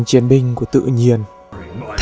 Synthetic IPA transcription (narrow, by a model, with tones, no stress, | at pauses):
ŋt͡ɕi˨˦ənɓï˧ŋ̟ku˧˩ət̪ɨ̰˧˨ɲi˧˩ən | t̪ʰ